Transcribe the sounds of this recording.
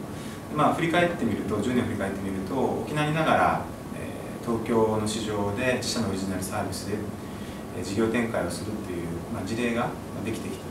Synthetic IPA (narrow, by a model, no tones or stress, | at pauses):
d̪̥emaːɸɯ̟ɾʲikae̞t̪ːe̞mʲiɾɯ̟t̪o̞ʑɨːnẽɸɯ̟ɾʲikae̞t̪ːe̞mʲiɾɯ̟t̪o̞o̰kʲinaɲʲinaɡaɾa̰ | ḛː | t̪o̞ːkʲo̞ːno̞ɕiʑo̞ːd̪e̞t͡ɕi̥ɕanooɾʲiʑinaɾɯ̟saːbʲisɨd̪e | ḛd͡ʑiɡʲo̞ːt̪ẽ̞ŋkaio̞sɨɾɯ̟t̪ːe̞jɯ̟ːmad͡ʑiɾe̞ːɡa | mad̪e̞kʲi̥t̪e̞ki̥t̪ḁ